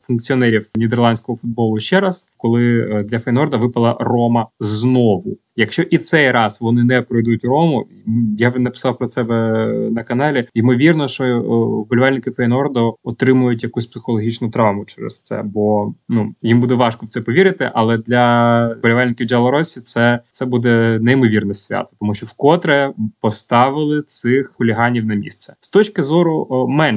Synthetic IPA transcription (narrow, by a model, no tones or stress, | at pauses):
fʊnkt͡sʲiɔnɛɾʲiwnʲid̪ɛrlˠɑnʲsʲkɔɦɔfʊd̪̚bɔlˠʊʃt͡ʃɛɾɐskɔlˠɪd̪lʲɐfɐjnɔrd̪ɐʋɪpɐlˠɐrɔmɐznɔʋʊ | jɐkʃt͡ʃɔʔit̪sɛjɾɑsʋɔnɪnɛpɾɔjd̪utʲrɔmʊ | janɐpɪ̥sɑwpɾɔt̪sɛbɛnɐkɐnɑlʲiimɔʋʲirnɔʃt͡ʃɔwbɔlʲʋalʲnɪkɪfɛjnɔrd̪ɔɔt̪ɾɪmʊjʊtʲjɐkusʲpsɪ̥xɔlˠɔɦʲit͡ʃnʊt̪ɾɑʋmʊt͡ʃɛɾɛ̰st̪sɛ̰bɔnujimbud̪ɛʋɑʃkɔwt̪sɛpɔʋʲiɾɪt̪ɪ̰ʔɐlˠɛd̪lʲɐbɔlʲʊʋɛlʲnɪkʲiwd͡ʒɐlˠɔɾɔsʲit̪sɛt̪sɛbud̪ɛnɛimɔʋʲirnɛsʲʋʲa̰t̪ɔ̥t̪ɔmuʃt͡ʃɔwkɔt̪ɾɛpɔst̪ɑʋɪlˠɪt̪sɪxxʊlʲiɦɑnʲiwnɐmʲḭst̪sɛ̥st̪ɔt͡ʃkɪzɔɾʊmɛn